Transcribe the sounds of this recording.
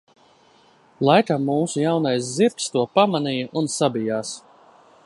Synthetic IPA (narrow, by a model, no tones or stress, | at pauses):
lˠajkamːuːsujawnajsziɾkst̪uɔpamanijɐʔunsabijaːs